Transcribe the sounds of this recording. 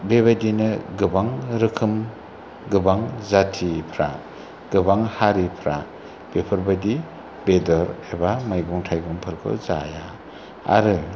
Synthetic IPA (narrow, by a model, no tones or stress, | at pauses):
bebadinɯɡɯbaŋɾɯkʰɯm | ɡɯbaŋzatʰipʰɾa | ɡɯbaŋhaɾipʰɾa | b̥epʰɯɾbadi | bedɔɾebamajɡɔŋtʰajɡɔŋpʰɯɾkʰɯ̰za̰ja | a̰ɾɯ